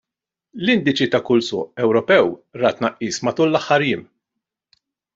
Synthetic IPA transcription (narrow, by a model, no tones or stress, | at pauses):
lɪnd̪ɪt͡ʃit̪ɐkʊlsʊ̰ːʔɛwɾɔpɛwɾɐt̪ːnɐʔːiːsmɐt̪uːlːɐħːɐɾjɪːm